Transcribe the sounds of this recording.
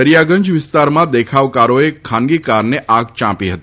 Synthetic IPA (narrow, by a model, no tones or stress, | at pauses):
əɾjaɡə̃ɲd͡ʒʋɪst̪aɾmãd̪ekʰaʋkaɾoekʰãnɡikaɾneʔaɡt͡ʃãpiɦət̪i